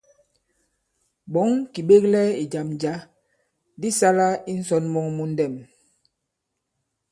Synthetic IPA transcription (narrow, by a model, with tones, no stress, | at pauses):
ɓɔ˨˦ŋki˨ɓe˦k̚lɛ˦i˨d͡ʒa˨md͡ʒa˨˦ | di˦sa˦la˦i˦n̩˦sɔ˦nmɔ˦ŋmu˦n̩˦dɛ˦˨m